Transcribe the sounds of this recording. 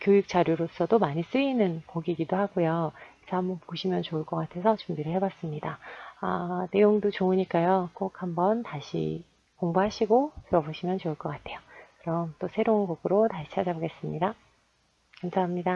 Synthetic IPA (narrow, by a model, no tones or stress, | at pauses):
kjojik̚t͡ɕ͈aɾjuɾos͈ʌdomaɲis͈ɯinɯnkoɡiɡidohaɡojoisʰʌhambʌnpoɕʰimjʌnt͡ɕoɯɭk͈ʌk͈atʰe̞sʰʌt͡ɕumbiɾɯɭɦe̞bas͈ɯmɲidaane̞joŋdot͡ɕoɯɲik͈ajokok̚hambʌntaɕʰḭ | koŋbuɦaɕʰiɡotɯɾʌboɕʰimjʌnt͡ɕoɯɭk͈ʌk͈atʰe̞jokɯɾʌmt͈osʰe̞ɾounɡoɡɯɾotaɕʰi̥t͡ɕʰad͡ʑaboɡe̞s͈ɯmɲida | kamsʰaɦamɲida